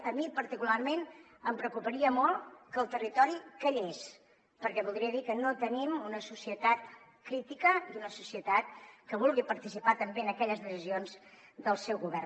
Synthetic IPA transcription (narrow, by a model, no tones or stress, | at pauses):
əmipəɾt̪ikularmen | əmpɾəkupəɾiəmɔlˠkəlˠt̪ərit̪ɔɾikəʎes | pəɾkɛβulˠd̪ɾiəðikənot̪ənimunəsusiət̪at̪ | kɾit̪ikəd̪unəsusiət̪at̪̚kəβ̞ulˠɣipəɾt̪isipat̪əmbeənəkɛʎəzðəsizionz | d̪əlˠsɛwɣuβɛr